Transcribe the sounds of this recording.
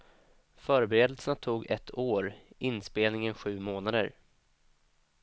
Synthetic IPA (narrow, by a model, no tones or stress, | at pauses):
fœːɾbɛɾeːd̪əlsənat̪ʰuːɡɛt̪ʰːoːɾʔɪnspeːlnɪŋənɧʉ̟ːmoːnad̪ə̰ɾ